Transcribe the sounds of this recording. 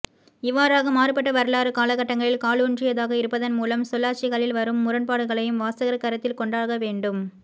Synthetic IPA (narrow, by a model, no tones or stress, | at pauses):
ɪʋːaːɾaːɣɐmaːɾɯpɐʈːɐʋɐɾɯlaːɾɯkaːlɐɣɐʈːɐŋɡɐɭɪlkaːlɯndrɪjɐðaːɣɐɪɾɯpːɐðɐnmuːlɐmsɔlːaːt͡ʃɪɣɐɭɪlʋɐɾɯmːʊɾɐnpaːɽɯɣɐɭɐjɯmʋaːsɐɣɐɾɐkːɐɾɐt̪ːɪlkɔɳɖaːɣɐʋeːɳɖɯm